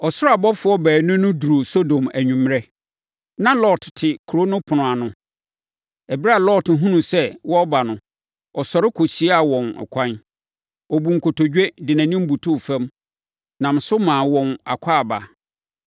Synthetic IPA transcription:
ɔ˨sʊ˦ɾa˨bɔ˦fʊ˨˦ɔ˦bɛː˨nʊ̃˦nʊ̃˦du˨ɾo˨so˦dõ˨mæ˨ɲᶣũ˨m˦ɾɛ˦ | nã˦lɔ˦ttʰɪ˨kʰɾo˦nʊ̃˦pʰʊ˨nʊ̃˨a˨nʊ̃˦ | ɛ˨bɪ˦ɾa˦a˦˨lɔ˦tɦũ˦nũ˨sɛ˦wɔ˦ba˨nʊ̃˨ | ɔ˨sɔ˨ɾɪ˦kʰo˨ɕi˦a˨wɔ̃˨nɛ̰˨kʷʰã˦n | ɔ˨bu˨ŋ̩˨kʰo˨tʰo˨d͡ʑᶣɛ˦dɪ˨nã˨nɪ̃˦m̩˦bu˨tʰu˦˨fɛ̃˦m | nã˨m˨sʊ˦mãː˨wɔ̃˨na̰˨kʷʰa˦a˨ba̰˨

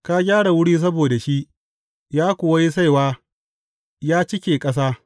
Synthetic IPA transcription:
ka˦ɡʲaː˦ɽa˨wʊ˦ɽiː˦s̬ɐ˦boː˨da˨ʃi˦ʔ | jaː˦kʷʊ˨wa˦ji˦s̬a˦˨jwaː˦ | jaː˦t͡ʃɪ˦kʲeː˨kʼɐ˦saː˦

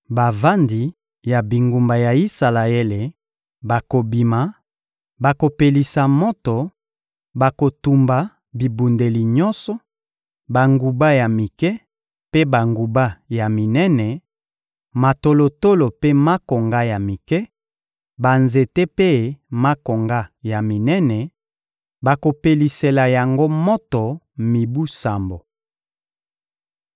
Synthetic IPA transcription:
ba˨va˦ndi˨ | ja˨bi˨ŋɡu˨mba˨ja˨i˦sa˨la˨ɛ˦le˨ | ba˨ko˨bi˨ma˨˦ | ba˨ko˨pe˨li˨sa˨mo˦to˨ | ba˨ko˨tu˨mba˨ | bi˨bu˨nde˨li˨ɲɔ˦nsɔ˦ | ba˨ŋɡu˨ba˦ja˨mi˨kɛ˦ | pe˦ba˨ŋɡu˨ba˦ja˨mi˨nɛ˦nɛ˨ | ma˨to˨lo˨to˦lo˨pe˦ma˦ko˨ŋɡa˦ja˨mi˨kɛ˦ | ba˨nze˨te˦pe˦ma˦ko˨ŋɡa˦ja˨mi˨nɛ˦nɛ˨ | ba˨ko˨pe˨li˨se˨la˨ja˨ŋɡo˦mo˦tɔ˨ | mi˨bu˦sa˨mbo˨

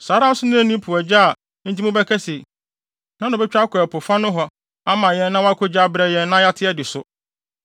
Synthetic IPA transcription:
sa˨˦ɾã˦n̩˦sʊ˦nʊ̃˦æ˦˨nĩ˦pʰu˨æ˨d͡ʑa˦a˨ | n̩˦tʰi˦mʊ̃˦bɛ˦kʰɛ˦se˨ | nã˦nʊ̃˨bɛ˦t͡ɕᶣa˦kʰɔ˨ɛ˨pʰʊ˨fa˦nʊ̃˦ɦɔ˨ | a˦mã˨jɛ̃˦nː˦ã˦wa˦kʰʊ˦d͡ʑa˦bɾɛ˦jɛ̃˦nː˦ã˦ja˦tʰɪ˦ɛ˦dɪ˨sʊ˦

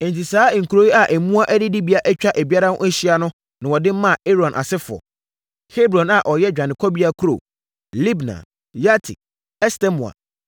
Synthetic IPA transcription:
ẽ˨n̩˨ti˨saː˦ŋ̩˨kʰu˨ɾo˦i˦a˨ʔɛ˨mũ˦a˦ʔɛ˦dɪ˦dɪ˦bi˦a˦ʔɛ˦t͡ɕᶣa˦ʔɛ˨bi˦a˦ɾã˦n˦ʔɛ̃˦ɕi˦a˦nʊ̃˦ | nã˨wɔ˨dɪ˦mã˦˨e˦ɾɔ̃˨nʔa̰˨sɪ˦fʊ˨ɔ̰˨ | he˦bɾɔ̃˨na˨ʔɔ˨jɛ˦d͡ʑᶣã˨nɪ̃˨kʰɔ˦bi˦a˦kʰu˦ɾo̰˨ | li˦bnã̰˨ | ja˦tʰḭ˨ | ɛ˦stɛ˦mũ˨a̰˨

